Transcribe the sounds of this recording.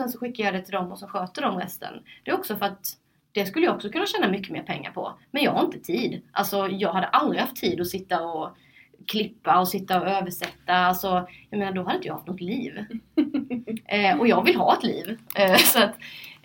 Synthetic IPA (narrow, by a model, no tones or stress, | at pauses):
sɛnsɔɧɪkːajɑːd̪ɛt̪ʰɪld̪ɔmːɔsɔmɧøːt̪əɖɔmɾɛ̰st̪ʰə̰nd̪̥ɛɔksɔfœɾat̪ | d̪̥ɛskɵlːəjaɔksɔkʰɵnːaɕɛːnamʏkːəmḛːɾpʰɛŋːa̰ɾpʰɔ̰mɛnjɑːɡhaɾɪnt̪ə̥t̪ʰiːd̪ʔa̰lsɔjɑːɡhad̪ːəʔald̪ɾɪhaft̪ʰːiːd̪ɔsɪt̪ːaɔ | kʰlɪpːaɔsɪt̪ːaɔøːvəʂɛt̪ːaalsɔjɑmeːnaɖɔhad̪əɪnt̪əjɑːhaft̪nʊɡ̚t̪liːv | ɔjɑːɡvɪlːɦɑ̰ːɛt̪lḭːvsɔat̪